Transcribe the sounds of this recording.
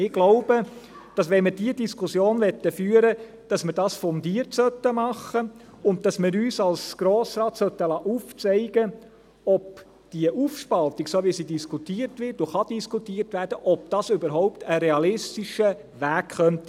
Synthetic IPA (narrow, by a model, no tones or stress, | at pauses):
ɪɡ̥loʊb̥ə | d̥ɑsʋɛnmɪdiədiskʰusjoːnʋɛt̪ːəfyːəɾə | d̥ɑsmɪɾdɑːsfɔndiərtsœt̪əmɑχə | ʊnt̚d̥ɑsmɪɾyːsɑlsɡ̥ɾoːsɾɑːtsœt̪ːəlɑːʔuft͡sɛɪɡ̥ə | ɔp | d̥iəʔufʃpɑlt̪iksoʋisidiskʰut̪iːəɾtʋɪɾtoχɑd̥iskutiːəɾtʋæɾd̥əʔɔp̚d̥ɑsʏbəɾɦɔʊptʰəɾɛɑlɪstiʃə | ʋæːkχœntə